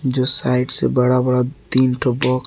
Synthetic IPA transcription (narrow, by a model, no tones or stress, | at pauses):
d͡ʒoːsaːɪʈsḛbɐɽabɐɽat̪iːnʈʰobɔːk